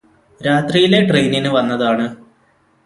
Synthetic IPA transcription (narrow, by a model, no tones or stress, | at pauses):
ɾaːt̪rijile̞ʈrejninɨʋɐnːɐðaːɳɨ